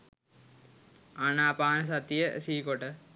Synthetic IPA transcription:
anaːpaːnəs̬at̪ijəsiːkoʈə

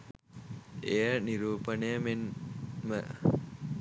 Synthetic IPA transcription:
ejəniɾuːpənəjəmenmə

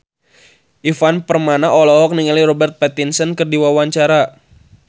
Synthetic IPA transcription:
ʔifanpərmanaʔɔlɔɦɔk̚niŋaliɾɔbɛrt̪̚pɛt̪insənkərdiwawaɲt͡ʃaɾa

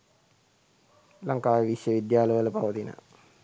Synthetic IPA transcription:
laŋkaːjəʋiʃjəʋid̪jaːləʋələpaʋət̪inə̰

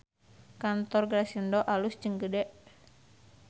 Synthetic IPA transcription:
kant̪ɔrɡɾasindɔʔalust͡ʃəŋɡədɛʔ

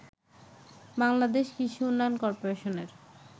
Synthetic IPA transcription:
baŋlad̪eʃkit͡ɕʰuunːajonkɔɾpoɾeʃoneɾ

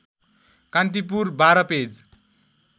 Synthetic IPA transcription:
kant̪̬ip̬urbaɾʌped͡z

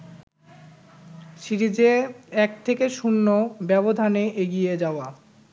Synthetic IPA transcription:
ʃiɾid͡ʑeɛk̚t̪ʰekeʃunːobɛbod̪ʱaneʔeɡijed͡ʑaoa

